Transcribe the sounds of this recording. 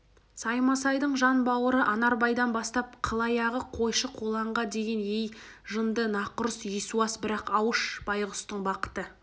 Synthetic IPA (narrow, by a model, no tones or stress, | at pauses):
sɑjmɑsɑjd̪əɴʒɑnbɑwəɾəʔɑnɑɾbɑjd̪ɑnbɑst̪ɑp̚qʰəlˠɑjɑʁəqʰo̞jʃəqʰolˠɑɴʁɑd̪e̞ɡʲe̞nej | ʒənd̪ənɑqʊɾəsisuɑsbɪɾɑqɑwəʃb̥ɑjʁʊst̪əɴbɑqə̥t̪ə